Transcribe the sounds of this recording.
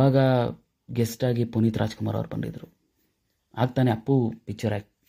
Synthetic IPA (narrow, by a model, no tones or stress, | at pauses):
aːɡɐ | ɡesʈaːɡipuniːt̪ɾʔa̰ːd͡ʒkumaːɾɐ̰ʋɐɾbɐ̰ɳɖḭd̪ɾu | aːɡ̚t̪aːneɐpːupik̚t͡ʃɐɾaːɡi